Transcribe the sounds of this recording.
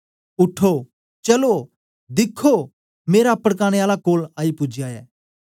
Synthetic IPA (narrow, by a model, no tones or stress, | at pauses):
ʊʈʰo | t͡ʃɐlo | d̪ɪkʰːo | meːɾaɐpəɽk̬aːɽ̃eaːlakoːlaːipʊd͡ʒjaɛː